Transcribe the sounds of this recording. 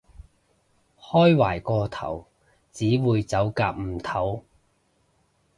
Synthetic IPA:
hɔː˥jwaː˨˩jkɔː˧t̪ʰɐ̰˨˩w | t͡siː˨˥wuː˨˧jt͡sɐ˨˥wkaː˧p̚m̩˨˩t̪ʰɐ˨˥w

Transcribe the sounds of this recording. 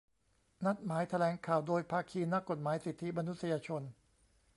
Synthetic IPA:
na˦˥t̪̚maː˩˦jt̪ʰa˧lɛː˩˦ŋkʰaː˨˩wdoː˧jpʰaː˧kʰiː˧na˦˥kːo˨˩t̪̚maː˩˦jsi˨˩t̪ʰːi˦˥ma˧nu˦˥t̪̚sa˧jaː˧t͡ɕʰo˧n

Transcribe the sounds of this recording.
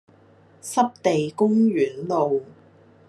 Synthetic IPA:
sɐ˥p̚t̪e˨jkʊ˥ŋɥyː˨˥nlo˨w

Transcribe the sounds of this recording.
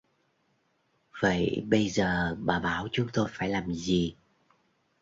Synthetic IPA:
və̰˧˨jɓə˧jzəː˨˩ɓaː˨˩ɓaː˧˩˦wt͡ɕʊ˨˦ŋ͡mt̪o˧jfaː˧˩jlaː˨˩mzi˨˩

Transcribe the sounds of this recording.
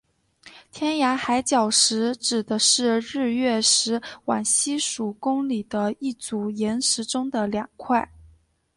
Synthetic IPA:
t̪ʰjɛ˥nja˧˥xa˧˥ɪt͡ɕjɑ˨˩ʊʂɻ̩˧˥ʈ͡ʂɻ̩˨˩d̪ə˦ʂɻ̩˥˧ɻɻ̩˥˧ɥɛ˥˩ʂɻ̩˧˥wa˨˩nɕi˥ʂu˨˩kʊ˥ŋli˨˩d̪ə˦i˥˩t͡su˧˥jɛ˧˥nʂɻ̩˧˥ʈ͡ʂʊ˥ŋd̪ə˨ljɑ˨˩ŋkʰwa˥˩ɪ

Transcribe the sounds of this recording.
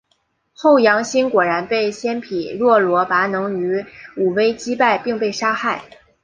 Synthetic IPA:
xo˥˩ʊjɑ˧˥ŋɕi˥nkwɔ˨˩ɻa˧˥npe˥˩ɪɕjɛ˥npʰi˨˩ɻwɔ˥˩lwɔ˧˥pa˧˥nɤ˧˥ŋy˧˥u˨˩we˥ɪt͡ɕi˥pa˥˧ɪpi˥˧ŋpe˥˩ɪʂa˥xa˥˩ɪ

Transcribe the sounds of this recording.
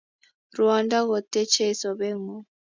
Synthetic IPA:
ɾwa˨nda˦ɣɔ˨t̪ɛ˦t͡ʃɛ˦sɔ˨βɛ˦ŋɔ˨

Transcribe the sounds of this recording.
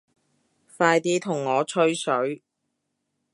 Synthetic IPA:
faː˧jt̪iː˥t̪ʰʊ˨˩ŋːɔː˨˧t͡ʃʰɵ˥ɥsɵ˨˥ɥ

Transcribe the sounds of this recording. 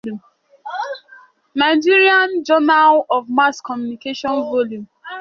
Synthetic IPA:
u˨m | na˨ɪd͡ʒi˦ɾi˦ã˦nd͡ʒɔ˦na˦lɔ˨vma˦skɔ˨mju˨ni˨ke˦ʃɔ̃˦nvo˦ljũ˨m

